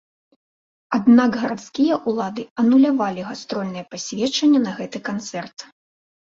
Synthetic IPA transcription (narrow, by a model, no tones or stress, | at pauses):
ad̪naɡɣɐɾat̪skʲijɐʔulˠad̪ɨɐnulʲavalʲiɣast̪ɾɔlʲnɨjɐpasʲvʲɛt͡ʂɐnʲːɐnɐɣɛt̪ɨkant̪sɛrt̪